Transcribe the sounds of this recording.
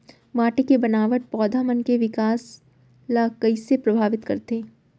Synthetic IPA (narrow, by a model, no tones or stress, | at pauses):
maːʈekebɐnaːʋəʈ̪̚pɔːd̪ʱaːmənkeʋɪkaːs | laːkəisepɾɐbʱaːʋɪt̪kɐ̰ɾt̪eː